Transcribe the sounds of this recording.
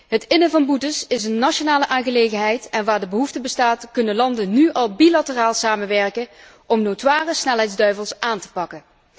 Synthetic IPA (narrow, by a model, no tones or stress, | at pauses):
ɦətɪnəvɑnbutəsɪsənːɑʃonaːləʔaːnɣəlejɣənɦɛjtɛnʋaːɹdəbəɦuftəbəstaːtkɵnənlɑndənnyʔɑlˠbilatəraːlˠsaːmənʋɛɹkə | ʔɔmnowtʋaːrəsnɛlˠɦɛjdzdœɥvəlˠsʔaːntə̥pɑkən